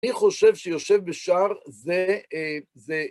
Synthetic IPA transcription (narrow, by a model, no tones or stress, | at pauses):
iχoʃevʃejoʃevbeʃaʁze | ze